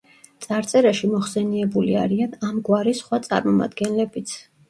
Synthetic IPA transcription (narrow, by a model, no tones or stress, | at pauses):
t̪sʼaɾt̪sʼɛɾaʃimɔχsɛniɛbuliaɾianamɡwaɾisχwat̪sʼa̰ɾmɔma̰d̪ɡɛnlɛbit̪sʰ